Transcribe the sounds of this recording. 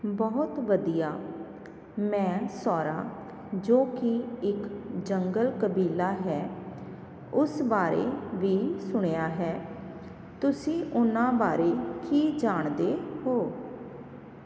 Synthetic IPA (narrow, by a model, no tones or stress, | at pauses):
bəɦʊt̪ʋəd̪ijaː | mɛ̃ːsɔːɾaː | d͡ʒoːkɪɪkd͡ʒəŋɡəlkəbiːlaːɦɛː | ʊsbaːɾḛːʋiːsʊɽ̃ejaːɦɛː | t̪ʊsĩːʔʊnãːbaːɾeːkiːd͡ʒaːɳd̪eːɦoː